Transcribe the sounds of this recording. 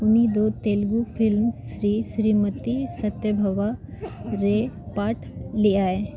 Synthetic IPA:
unid̪ot̪elɡufilmɕɾiːɕɾiːmət̪isət̪jəbʱəʋa | ɾepaʈʰliae

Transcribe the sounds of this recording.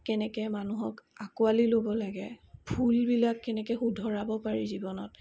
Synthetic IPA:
kɛnɛkɛmanuɦɔkakualilobɔlaɡɛbʱulbilakːɛnɛkɛxudʱɔɹabɔpaɹizibɔnɔt̚

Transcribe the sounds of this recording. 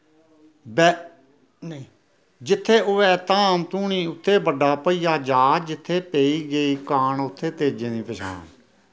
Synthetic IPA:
bɛ | nː | d͡ʒɪt̪ʰːeːʔoːɛːt̪ãːmt̪uːɳĩːʊt̪ʰːeːbəɖaːpəiːjaːd͡ʒaːd͡ʒɪt̪ʰːeːpeːiːɡeiːkaːɳʊt̪ʰːeːt̪eːd͡ʒẽːnĩːpəʃʰa̰ːn

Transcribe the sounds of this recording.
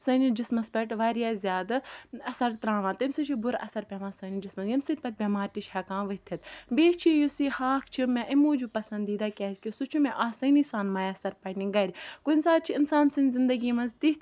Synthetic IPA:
sɐnid͡ʒismɐspɐʈʋaːɾijaːzʲjaːd̪ɐsɐɾt̪ɾãːʋãːt̪ɐmʲsut͡ʃʰibʊɾɐ̰sɐɾpʲeʋãːnsɐːnid͡ʒismɐsjɐmsɨt̪ʲpɐʈ̚bʲemaːɾt̪it͡ʃhɐkãːʋɐt̪ʰɐt̪beːt͡ʃʰijusihaːkʰt͡ʃʰimẽʔimuːd͡ʒupɐsɐnd̪iːd̪aːkʲɛːzkʲisut͡ʃʰumẽʔaːsɐnisaːnmaːjɐsɐɾpɐniɡɐɾʲkunsaːt̪̚t͡ʃʰiinsaːnsinʲzind̪ɐɡiːmɐnzt̪it̪

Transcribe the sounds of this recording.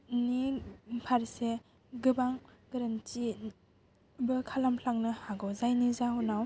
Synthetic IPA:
nipʰaɾse | ɡɯbaŋɡɯɾanti | bɯkʰalamɬʰaŋnɯhaɡɔwzajnizaɦunaw

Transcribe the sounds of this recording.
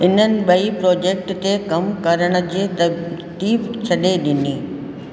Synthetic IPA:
ɪn̤ənɪ̆ɓɐipɾɔːd͡ʑeːk̚ʈt̪ekɐmkɐɾəɽ̃ə̆d͡ʑiːt̪ɐt̪iːbt͡ɕʰɐɗeɗɪniː

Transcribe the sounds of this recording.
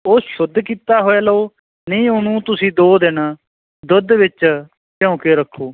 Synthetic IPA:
oːʃʊd̪ːkiːt̪aːɦoːeːlooː | nĩːʊnũːt̪ʊsĩːd̪oːd̪ɪna | d̪ʊd̪ʋɪt͡ʃ | pjɔ̃ːkeːɾəkʰːoː

